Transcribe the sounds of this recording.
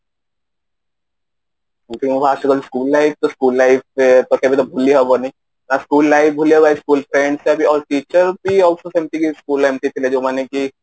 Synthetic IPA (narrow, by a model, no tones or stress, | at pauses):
õt̪iobaːsʈikəlskuːlːaɪp̚ʰt̪oskuːlːaɪp̚et̪okebit̪obʱuliɦɛʋonaĩ | naskuːlːaːɪf̚ʰbʱuliɛbaːiskuːlpʰɾẽːɳɖseɐbʱiɔːɾʈiːt͡ʃəɾbʱiɔːlsosẽmʈ̪ikiskuːlemt̪it̪ʰiled͡ʒoːmaːneki